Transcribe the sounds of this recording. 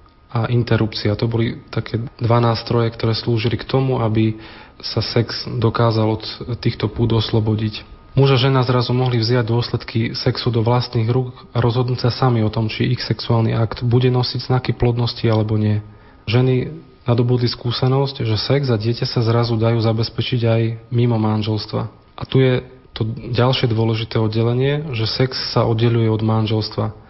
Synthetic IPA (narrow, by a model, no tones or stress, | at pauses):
aʔint̪ɛɾupt͡siat̪ɔbɔlit̪akʰɛːd̪ʋanaːst̪ɾɔjɛkt̪ɔɾɛːsluːʒilikt̪ɔmuabisasɛkz̥d̪ɔkaːzalɔt̪ːiːxt̪ɔpuːd̪ɔslɔbɔɟic | muʒaʒɛnaːzɾazumɔɦlivzɪaɟd̪ʊɔslɛt̪kisɛksud̪ɔʋlast̪niːɣɾuːk | aɾɔzɦɔd̪nucsasamiɔt̪ɔmt͡ʃiixsɛksuaːlniʔakt̪buɟɛnɔsiɟznakiplɔd̪nɔscialɛbɔɲɪɛ | ʒɛni | nad̪ɔbud̪liskuːsɛnɔscʒɛsɛɡzaɟɪɛcasazɾazud̪ajuːzabɛspɛt͡ʃiɟajmimɔmanʒɛlst̪ʋa̰ | ʔat̪ujɛ | t̪ɔɟalʃɪɛd̪ʊɔlɛʒit̪ɛːɔd̪ɟɛlɛɲɪɛʒɛsɛksːaʔɔd̪ɟɛʎujɛɔd̪manʒɛlst̪ʋa